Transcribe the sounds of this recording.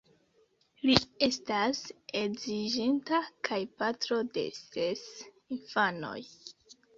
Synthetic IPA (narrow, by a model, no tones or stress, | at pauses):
lie̞stase̞ɡziʒintakʰajpatɾo̞de̞̰ses | infano̞̰j